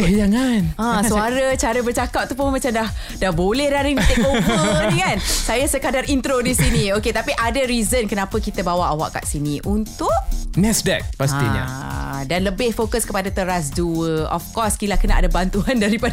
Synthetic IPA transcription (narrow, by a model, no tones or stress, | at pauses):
jaŋanãssuaɾət͡ʃaɾəbərt͡ʃakat̚t̪upomat͡ʃamdah | dahbolɛhɾaɾinit̪ekowəikansajasəkadarint̪ɾodisinioket̪apiʔadəɾizənkənãpəkit̪əbawaʔawa̰ʔka̰ʔsiniʔunt̪ʊʔ̚mɛsdɛ̰k̚past̪ḭɲa̰danləbɪhfokəskəpadat̪əɾas̬duəʔɔ̰fkɔskilakənaʔadabant̪uandaɾipad